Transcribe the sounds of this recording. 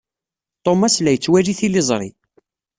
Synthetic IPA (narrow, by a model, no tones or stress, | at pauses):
t̪ˤomaslæjət͡sːwæliθilɪzˤɾˤḭ